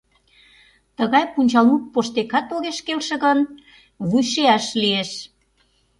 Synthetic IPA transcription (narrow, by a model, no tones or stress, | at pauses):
t̪əɣɑjpunʲt͡ɕɑlmuk̚poʃt̪ekɑt̪oɣeʃkelʃə̆ɣən | βujʃeɑʃlieʃ